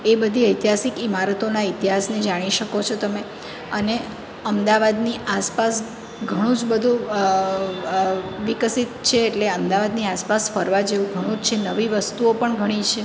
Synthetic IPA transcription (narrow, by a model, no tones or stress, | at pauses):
ebəd̪ʱiəjt̪iɦasikimaɾət̪onait̪iɦasned͡ʒaɽ̃iʃəkot͡ʃʰot̪əme | əne | əmd̪aʋad̪niʔaspas | ɡʱəɽ̃ũd͡ʒbəd̪ʱũ | ʋikəsit̪t͡ʃʰeːʈleəmd̪aʋad̪niaspasfəɾʋad͡ʒeʋũɡʱəɽ̃ũd͡ʒt͡ʃʰenəʋiʋəst̪uopəɳɡʱəɽ̃it͡ʃʰe